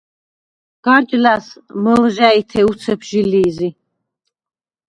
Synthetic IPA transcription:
ɡ̥aɾd͡ʒlasməlʒæit̪ʰɛut̪sʰɛpʰʒiliːzi

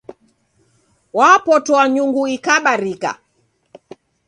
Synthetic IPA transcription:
wapɔtɔwaɲuŋɡuikaɓaɾika̰

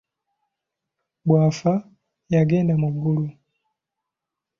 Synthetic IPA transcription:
bwafa | jaɡɛndamuɡulu

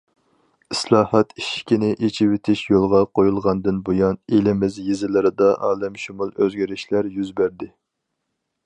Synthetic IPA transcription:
ɪslˠɑːhɑt̪iʃkʲinɪʔet͡ʃʰɪwɪt̪ʰɪʃjolˠʁɑqʰojulˠʁɑnd̪ɨnbujɑnelɪmɪzjizɪlɪɾɨd̪ɑʔɑːlɛmʃumulˠøzɡʲiɾɪʃlæɾjyzbæɾd̪ɪ

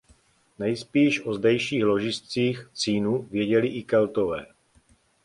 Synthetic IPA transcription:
nɛjspiːʃʔozdɛjʃiːxlo̞ʒɪst͡siːxt͡siːnuvjɛɟɛlɪʔɪkɛlt̪ovɛː

